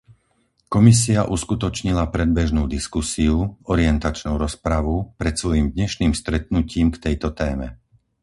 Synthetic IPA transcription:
kɔmis̬iaʔuskut̪ɔt͡ʃɲilapɾɛd̪̚bɛʒnuːd̪iskusiuɔɾiɛnt̪at͡ʃnuːɾɔspɾaʋupɾɛt̪sʋɔjiːmd̪ɲɛʃniːmst̪ɾɛt̪̚nuciːmkt̪ɛjt̪ɔt̪ɛːmɛ̰

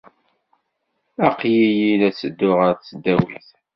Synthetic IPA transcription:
æqjijilæt͡sːəd̪ːʊʁəɾt͡sːəd̪ːæwḭθ

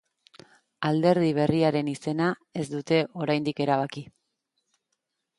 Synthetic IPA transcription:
ald̪e̞ɾðiβ̞e̞riaɾe̞nise̞nae̞zd̪ut̪e̞ʔo̞ɾajnd̪ike̞ɾaβ̞aki

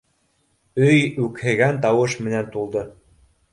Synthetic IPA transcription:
øjukhĕɣænt̪ɑwɤ̆ʃmɘ̆nænt̪ulˠd̪ɤ̆

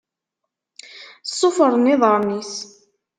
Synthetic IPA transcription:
sˤːofəɾˤnɪðˤəɾˤnis

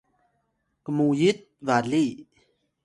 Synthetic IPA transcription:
kəmujit̪̚vali

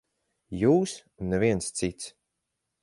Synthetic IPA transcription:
juːs | nːɛviɛnst̪sit̪s

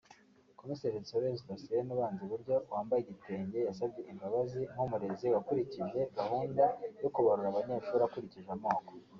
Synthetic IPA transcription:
ko̞miseʒeisoβesidasienuβaːnziβuɾɟo̞waːmbajeɟite̞ːɲɟe̞jasabɟe̞ʔimbaβaziŋhumuɾe̞ziwakuɾiciʒe̞ɡahuːndajo̞kuβaɾuɾaβaɲeːʃuːɾakuɾiciʒamaːko

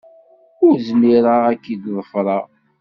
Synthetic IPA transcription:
ʊɾzmiɾaækːid̪ðˤəfɾˤɑ

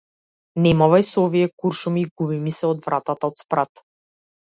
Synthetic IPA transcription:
nɛmɔvajsɔɔviɛkuɾʃumiːɡubimisɛɔd̪vɾʔat̪at̪aɔt̪spɾat̪

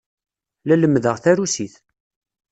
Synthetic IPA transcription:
læləmːðəʁθæɾusiθ

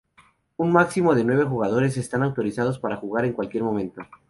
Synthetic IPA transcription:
unmaksimo̞ðe̞nwe̞βe̞xuɣað̞o̞ɾe̞s̬e̞st̪anawt̪o̞ɾisað̞o̞spaɾaxuɣaɾe̞ŋkwalkje̞ɾmõ̞mẽ̞nt̪o̞

